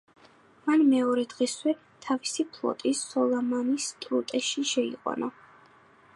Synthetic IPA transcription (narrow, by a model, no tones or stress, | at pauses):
manmɛɔɾɛd̪ʁɛswɛ | t̪ʰavisipʰlˠɔ̰t̪ʼisːɔlˠamanist̪ʼɾut̪ʼɛʃiʃɛḭqʼɔ̰nɔ